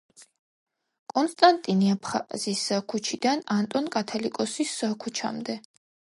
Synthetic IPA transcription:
kʼɔnst̪ʼant̪ʼiniapʰχa̰ziskʰut͡ʃʰid̪anant̪ʼɔnkʼat̪ʰalikʼɔsisakʰut͡ʃʰa̰md̪ɛ

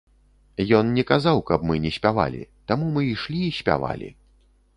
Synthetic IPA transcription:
jɔnnʲɛkazawkɐbmɨnʲɛsʲpʲava̰lʲḭt̪amumɨiʂlʲiːsʲpʲa̰va̰lʲḭ

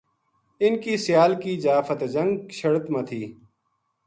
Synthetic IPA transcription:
ɪnkiːsɪjaːlkiːzaːfət̪d͡ʒə̃ŋɡʃʰəɽət̪mãt̪ʰiː

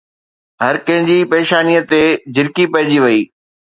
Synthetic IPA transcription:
ɦɐɾkɐ̃ɦɪ̃ɲd͡ʑipeːʃaːnijət̪ed͡ʑɪɾkipɐɦɪ̃d͡ʑiʋɐiː

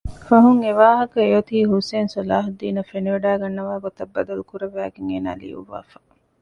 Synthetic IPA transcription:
fɐɦuŋeʋaːɦɐkɐejot̪iːɦuseːnsɐlaːɦɐd̪iːnɐfeniʋɐɖæːɡɐnːɐʋaːɡot̪ɐbːɐd̪ɐlukuɾɐʋæːɡeŋḛːna̰ːlḭjṵʋːa̰ːfɐ̥

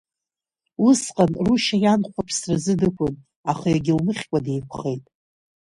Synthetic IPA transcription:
wʊsqʼanruʃajanχʷapʰsrɨzɨdɨkʷʰʊn | aχajaɡʲɪlmɨχʲkʷʼade̞jkʷʰχe̞jtʼ

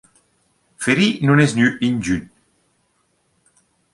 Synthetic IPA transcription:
feɾinunɛznyind͡ʒyn

